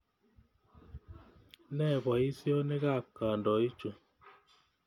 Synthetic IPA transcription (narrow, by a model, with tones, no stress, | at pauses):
nɛ˦˨βwa˨i˦sjɔ˦ne˦ɣa˦˨ka˨ndɔ˨i˦t͡ʃo˨